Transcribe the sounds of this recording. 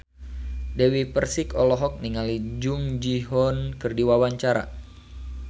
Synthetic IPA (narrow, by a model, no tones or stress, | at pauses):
dɛwipərsikɔlɔɦɔk̚niŋalid͡ʒuŋd͡ʒiɦɔnkɨrdiwawaɲt͡ʃaɾa̰